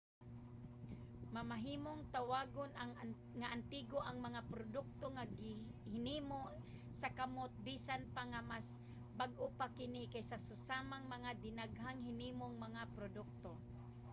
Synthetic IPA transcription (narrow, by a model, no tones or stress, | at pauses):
mamaɦiːmoŋt̪awaːɡonaŋ | ŋaʔant̪iːɡoʔaŋmɐŋapɾod̪ʊk̚t̪oŋaɡɪ | hɪniːmo | sakamot̪̚biːsanpaŋamas | baɡʔopakɪnɪkajsasʊsaːmaŋmɐŋad̪ɪnaɡɦaŋhɪniːmoŋmɐŋapɾod̪ʊk̚t̪o